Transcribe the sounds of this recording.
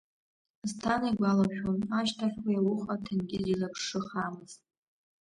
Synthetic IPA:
ztʰanajɡʷalaʃᶣonaʃtʰaχʲwajawʊχatʰɨnɡʲɪzilapʰʂɨχamɨz̥t

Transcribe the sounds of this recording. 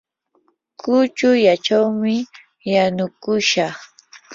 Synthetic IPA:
kʊt͡ʃʊjat͡ʃawmɪ | janʊkʊʃɑχ

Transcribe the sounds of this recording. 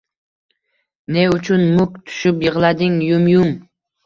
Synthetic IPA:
ne̞ʊt͡ʃʰʊnmʊkʲt̪ʰʊ̥ʃɪpjɨʁlˠad̪ɪŋjʊmjʊm

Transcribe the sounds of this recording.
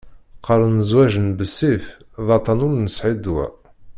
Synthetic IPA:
qəɾˤənəzwæʒənbəsːifðˤɑt̪ˤɑnʊɾnəsʕid̪wæ̰

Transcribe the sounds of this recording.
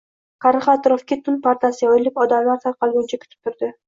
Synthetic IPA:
qʰɑɾɨχɑt̪ɾofkʲit̪ʰʊnpaɾt̪asɪojlɪpɒd̪amlˠɑɾt̪ʰɑɾqɑlˠbont͡ʃʰakʲʰy̥t̪y̥p̚t̪ʰʊɾd̪ʏ

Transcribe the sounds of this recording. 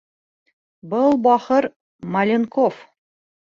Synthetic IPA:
bɤlˠbɒχɤɾ | mɐlʲenkof

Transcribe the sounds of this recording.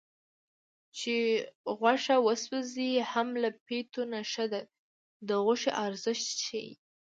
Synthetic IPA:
t͡ʃeɣwaʂawəswəzihamlapet̪onaʃad̪a | d̪əɣʊʃeʔaɾzəʃt̪t͡ʃajḭ

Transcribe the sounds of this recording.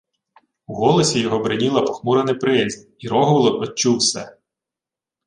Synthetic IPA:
uɣɔlˠɔsʲijɔɦɔbɾɪnʲilˠɐpɔxmuɾenɪpɾɪzʲ | iɾɔɦɔʋlˠɔnɔt͡ʃuwsɛ̰

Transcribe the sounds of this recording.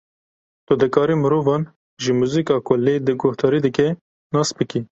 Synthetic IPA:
t̪ʊd̪ɨkɑːɾiːmɨɾoːvɑːn | ʒəmuːziːkɑːkʊleːd̪ɨɡʊht̪ɑːɾiːd̪ɨkɛ | nɑːsbɨki

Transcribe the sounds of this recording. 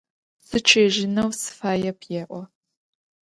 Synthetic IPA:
sɨt͡ʃʰʼeːʒɪnɐwsɨ̥faːjɛpʰjeːʔʷɔ

